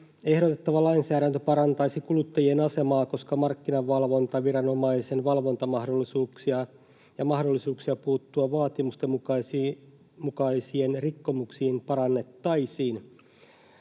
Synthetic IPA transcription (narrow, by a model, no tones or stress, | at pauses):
e̞hɾot̪e̞t̪ːɑʋɑlɑinsæːɾænt̪øpɑɾɑnt̪ɑisikulut̪ːɑjie̞nɑse̞mɑːko̞skɑmɑrkːinɑʋːɑlʋo̞nt̪ɑʋirɑno̞mɑise̞nʋɑlʋo̞nt̪ɑmɑhdolːisuːksiɑ | jɑmɑhdolːisuːksiɑpuːt̪ːuɑʋɑːt̪imust̪emus | mukɑisie̞nrikːo̞muksiːmpɑɾɑnːe̞t̪ːɑjsiːn